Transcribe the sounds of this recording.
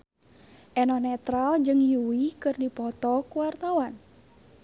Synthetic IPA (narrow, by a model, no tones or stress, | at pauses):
ʔɛnɔnɛt̪ɾald͡ʒɨŋjuwikɨrdipɔt̪ɔkuwart̪awan